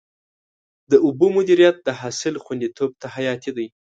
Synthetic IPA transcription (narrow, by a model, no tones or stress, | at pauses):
d̪əʊbomʊd̪iɾijat̪̚d̪əɦasɪlxwand̪it̪ob̚t̪ahajɑt̪id̪aj